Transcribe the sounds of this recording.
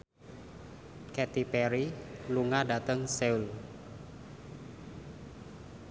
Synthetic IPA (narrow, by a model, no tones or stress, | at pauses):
kɛt̪ipɛɾiluŋadat̪əŋsɛul